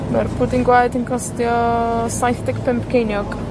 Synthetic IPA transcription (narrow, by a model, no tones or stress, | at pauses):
marpʰudinɡwajdənkʰɔstjɔsajθdɛkpʰɪmpkʰejnjɔɡ̥